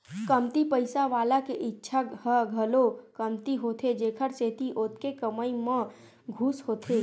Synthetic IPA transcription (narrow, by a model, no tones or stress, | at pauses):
kəmt̪ipəɪsaʋaːlakeʔɪtːʃʰahəɡʱəlokəmt̪iɦoːt̪ʰed͡ʒeːkʰəɾseːt̪iʔoːt̪kekəməimə̃ | ɡʱuːsɦoːt̪ʰe